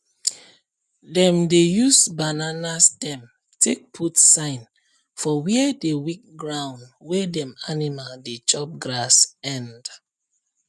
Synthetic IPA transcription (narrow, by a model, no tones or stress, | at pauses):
dɛ̃mdejusbananasdɛ̃m | tʰek̚pʰutsãɪ̃n | fɔwiɛdewik̚ɡɹãʊ̃ndwedɛ̃manimaldet͡ʃɔp̚ɡɹasɛ̃nd